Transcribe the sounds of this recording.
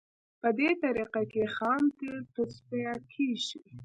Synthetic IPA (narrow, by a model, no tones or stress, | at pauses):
pəd̪et̪aɾiqakexɑnt̪et̪ʊspɑkʰiʒi